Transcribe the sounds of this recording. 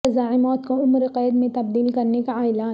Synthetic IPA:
ɪzaːʕɪmɔːt̪koʊmɾeqɛːd̪mẽt̪ɐb̚d̪iːlkɐɾnekaaːɪla

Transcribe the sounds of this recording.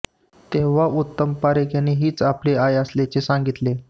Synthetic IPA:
t̪eʋ̤aut̪ːəmpaɾekjanːiɦiːt͡sapleajəslet͡sesaŋɡit̪le

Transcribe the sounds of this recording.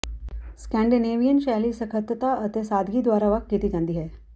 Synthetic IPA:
skɛ̃ːɳɖineːʋijənʃaːlisəkʰət̪ət̪aət̪esaːd̪ʱɡid̪ʋaːɾaʋɐk̚ɡiːt̪id͡ʑãnd̪iɦɛː

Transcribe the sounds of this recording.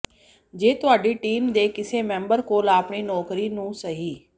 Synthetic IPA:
d͡ʒeːt̪ʊaːɖiːʈiːmd̪eːkɪseːmɛ̃ːmbəɾkoːlaːpɳiːnɔːkɾiːnũːsəɦiː

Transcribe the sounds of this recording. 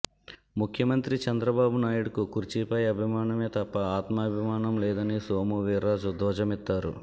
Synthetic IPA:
mukʰjɐmɐnt̪ɾit͡ʃɐnd̪ɾɐbaːbunaːjuɽɐkukuɾt͡ʃipɐjɐbʱimaːnɐme̞ːt̪ɐpːɐaːt̪mɐːbʱimaːnɐmlɛːd̪ɐnisoːmuʋiːɾːaːd͡ʒud̪ʱɔːd͡ʒɐmit̪ːaːɾṵ

